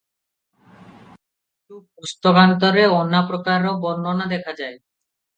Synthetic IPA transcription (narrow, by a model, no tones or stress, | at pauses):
itupust̪okant̪̬ɔɾeɔnːapɾokaɾobɔnːonad̪ɛkʰad͡ʑae